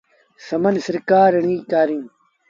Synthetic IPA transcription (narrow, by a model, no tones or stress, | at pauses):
sɐmɐnsɐɾkaːɾɐɳiːkaːɾĩː